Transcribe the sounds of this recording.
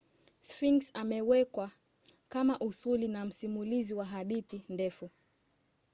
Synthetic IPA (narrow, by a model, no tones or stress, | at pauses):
sfiŋksamɛwɛkwa | kamaʔusulinam̩simuliziwaɦaɗiθindɛfu